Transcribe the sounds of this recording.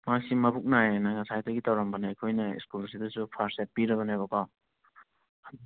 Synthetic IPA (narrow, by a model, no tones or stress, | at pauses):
masimɐbuk̚naenaŋasajtaɡitawɾambɐneɐjkʰojnɐḭskuls̬idɐsupʰaɾset̚piɾɐβɐnabɐkaw